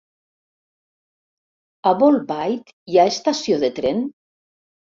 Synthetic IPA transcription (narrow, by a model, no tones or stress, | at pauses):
aβolˠbajk | jaest̪asioðet̪ɾen